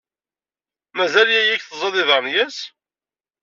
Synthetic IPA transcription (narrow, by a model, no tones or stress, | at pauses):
mæzæljæjikθzˤɑðˤɪðˤəɾˤnjæs